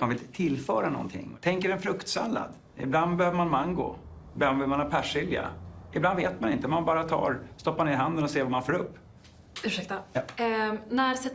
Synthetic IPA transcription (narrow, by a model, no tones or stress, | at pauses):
manvɪlt̪ət̪ʰɪlːfœːɾanɔ̰nt̪ʰɪ̰ŋːɔt̪ʰɛŋkəɖɛnfɾɵkt̪sa̰nla̰d̪ | ɪ̰bland̪bɛhøːvəɾmanmaŋɡʊ̰ | ɪblanbvɪlmanhɑːpʰæʂɪld̪ɪɡa̰ɪbland̪veːt̪̚manɪ̰nt̪əmanbɑːɾat̪ʰɑ̰ːɾst̪ɔpːmaneːɾɪɦand̪ənɔseːvamanfoːɾɵpː | ʉ̟ʂɛk̚t̪a | næɾsɛt̪ː